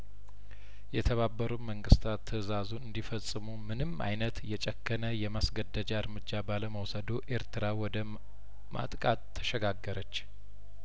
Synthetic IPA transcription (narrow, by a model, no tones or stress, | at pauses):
jɛt̪ʰəβabːəɾuməŋɡɨst̪ʰat̪ʰːɨzazunɨnd̪ifəsʼːɨmumɨnɨma̰jnət̪jɛt͡ʃʼɛkʰːənəjɛmasɡəd̪ːəd͡ʒaɨɾmɨd͡ʒːabaləməwsəd̪oʔe̞ɾt̪ʰɨɾawɔd̪ə | mʔa̰t̪ʼkʼat̪ʰːə̥ʃɛɡaɡːəɾʔət͡ʃː